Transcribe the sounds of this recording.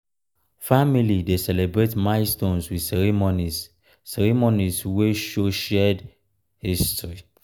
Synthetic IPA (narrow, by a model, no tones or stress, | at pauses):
familidesɛlebɹetmãɪstõnswiðsɛɹimoni | sɛɹimonisweʃoʃɛd | histɹi